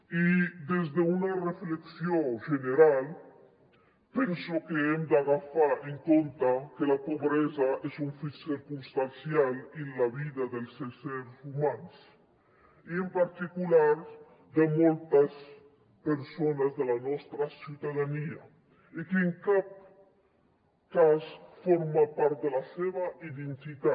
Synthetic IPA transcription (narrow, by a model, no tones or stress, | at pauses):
id̪ezd̪eunarefleksjoʒeneɾal | pensokeemd̪aɣafaɾeŋkont̪akelapoβɾezaezuɱfisiɾkunst̪ansjalenlaβiðaðelseseɾsumans | iempaɾt̪ikulaɾ | d̪emolt̪as | peɾsonazðelanɔst̪ɾasjut̪aðania | ikeːŋkap̚ | kasfoɾmapaɾt̪̚d̪elaseβaiðent̪it̪a